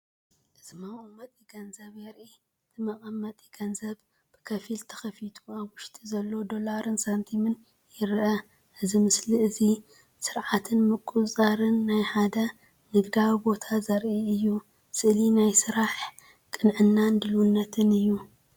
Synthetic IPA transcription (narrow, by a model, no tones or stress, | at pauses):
ʔɨzimɐʔʼɐmːɐt̪ʼiɡɐnzɐβjɛɾʔi | ɨt̪ʰɨmɐkʼɐmːɐt̪ʼiɡ̥ɐnzɐβ | b̥ɨ̥kʰɐfilt̪ʰɐ̥xɐfit̪ʰuaβwʊʃt̪ʼizɐlːo̞d̪o̞laɾɨnsant̪ʰimɨn | jɪɾʔɐ | ʔɨzimɨsliʔɨzi | sɨɾʕat̪ʰɨnmɨkʼusʼɐɾɨnːajħad̪ɐ | nɨd̪ɡaβibo̞t̪ʰazɐɾʔiɨjːu | sɨʔlinajsɨɾaħ | kʼɨnʕɨnːand̪ɨlwunːɐt̪ʰɨnɨjːu